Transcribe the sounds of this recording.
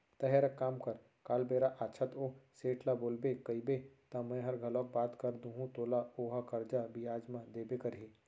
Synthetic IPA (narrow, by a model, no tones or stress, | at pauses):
t̪ɐɦeɾɐkːaːmkɐɾ | kaːlbeːɾaʔaːt͡ʃʰɐt̪oːseːʈʰlaboːlbekɐibet̪ɐmẽɦɐɾɡʱɐloːk̚baːt̪kɐɾd̪ũːɦũt̪oːlaoːɦakɐɾd͡ʒabiaːd͡ʒmãd̪eːbekɐɾɦi